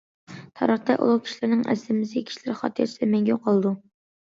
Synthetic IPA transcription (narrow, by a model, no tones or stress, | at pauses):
t̪ʰɑ̰ɾəχt̪ɛʔṵlˠukʲʰi̥ʃilɪɾnɪŋɛ̰slɪmɪsʲkʲʰi̥ʃlɪɾχɑ̰ːt̪ʰɨjɑt͡ʃʰid̪ɛmɛŋɡʲoqʰɑlˠɨd̪u